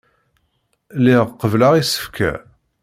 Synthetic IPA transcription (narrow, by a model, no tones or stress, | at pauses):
liʁqəvlaʁisə̥fkʰæ̰